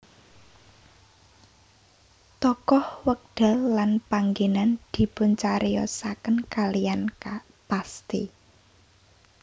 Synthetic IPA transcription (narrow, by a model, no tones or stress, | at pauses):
t̪ɔkɔhwək̚d̥a̤lːanpaŋɡenand̪̥i̤pʊnt͡ʃaɾʔijɔ̰sakənkalijanka | past̪ḭ